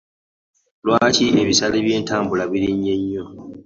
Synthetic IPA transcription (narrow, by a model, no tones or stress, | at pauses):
lwaːciʔe̞βisaleβje̞ːntaːmbulaβiɾiɲːe̞ɲːo̞